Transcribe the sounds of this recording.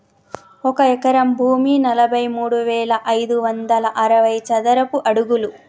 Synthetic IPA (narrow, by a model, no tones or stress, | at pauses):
ɔkɐɛkɐɾɐmbʱuːminɐlɐbʱɐjmuːɽuʋɛːɭɐʔɐjd̪uʋɐnd̪ɐlɐʔɐɾɐʋɐjt͡ʃɐd̪ɐɾɐpuʔɐɽuɡulu